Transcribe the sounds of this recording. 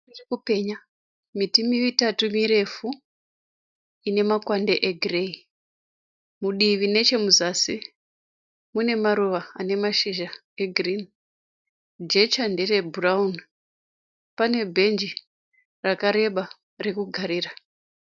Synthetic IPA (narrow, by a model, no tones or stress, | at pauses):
irikupe̞ɲa | mitimiʋitatumiɾe̞fu | ine̞makwandeʔeɡʱrei | muɗiʋine̞t͡ʃe̞muzasi | mune̞maɾuʋaane̞maʃiʒa | eɡʱrin | d͡ʒe̞t͡ʃandere̞buraun | pane̞bʱe̞nd͡ʒi | rakaɾe̞ɓa | re̞kuɡʱaɾiːra